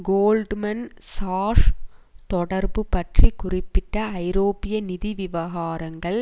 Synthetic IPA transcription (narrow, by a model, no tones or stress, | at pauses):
ɡoːlɖmɐnsaːʂt̪ɔɽɐɾbɯpːɐʈrikʊrɪpːɪʈːɐɐɪɾoːpɪjɐnɪðiʋɪʋɐɣaːɾɐŋɡɐɭ